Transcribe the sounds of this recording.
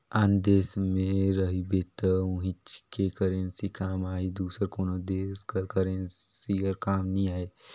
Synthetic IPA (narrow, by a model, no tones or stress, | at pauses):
aːnd̪eːsmẽɾəɦibeːt̪əʊ̃ɦĩt͡ʃkekəɾə̃nsikaːmaːid̪uːsəɾkoːnod̪eːskəɾkɐɾə̃nsiəɾkaːmnɐĩaːeː